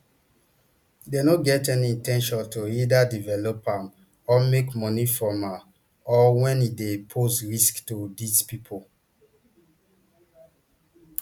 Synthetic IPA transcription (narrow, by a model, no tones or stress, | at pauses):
denoɡɛtɛniĩntɛ̃nʃɔ̃ntoidadivɛlɔpãm | ɔmekmɔnifɹɔ̃ma | ɔwɛ̃nidepʰosɹisktudizpipʰol